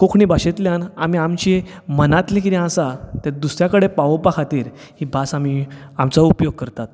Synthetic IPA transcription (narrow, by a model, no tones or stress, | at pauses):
kokʰɳiːbʱaɕet̪ljanam̤iamt͡ɕi | mənat̪lĩkiɾiãsat̪ad̪usɾjakəɽepaʋopakʰat̪iːɾ | hibasamiamt͡saupjoɡ̚kəɾt̪at̪̚